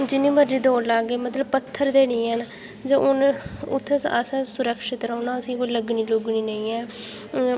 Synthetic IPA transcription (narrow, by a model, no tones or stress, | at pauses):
d͡ʒɪnːĩːməd͡ʒiːd̪oːlaːɡeːmət̪ləbpət̪ʰːəɾd̪eːɽĩːən | d͡ʒoːʊnʊ̰t̪ʰːẽsə̰sãːsʊɾəkʃɪt̪ɾəːnãːəsĩːɦoləɡɳiːlʊɡɳiːnəĩːɛː